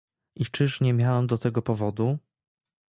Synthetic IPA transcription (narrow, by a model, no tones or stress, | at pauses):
ʔit͡ʂɘʂɲɛmʲjawɛmd̪ɔt̪ɛɡɔpɔvɔd̪u